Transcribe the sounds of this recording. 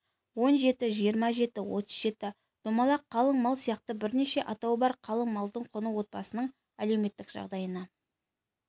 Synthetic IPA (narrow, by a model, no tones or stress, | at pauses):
wo̞nʒe̞t̪ɪʒijəɾmɑʒe̞t̪ɪwo̞t̪əzʒe̞t̪ɪ | d̪̥omɑlˠɑqʰːɑlˠəɴmɑlˠsijɑqt̪əbɪɾne̞ʃe̞ʔɑt̪ɑwbɑɾqʰɑlˠəɴmɑlˠd̪əɴqʰʊnəwo̞t̪̚bɑsənəɴ | æle̞wme̞t̪ːɪkʒ̥ɑ̰ʁd̪ɑjənɑ